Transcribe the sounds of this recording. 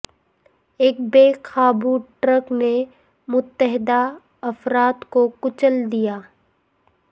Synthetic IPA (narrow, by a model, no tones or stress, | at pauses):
eːk̚beːkʰaːbuʈɾəkne | mʊt̪ːəɦɪd̪a | ɐfɾaːt̪kokʊt͡ʃəld̪ijaː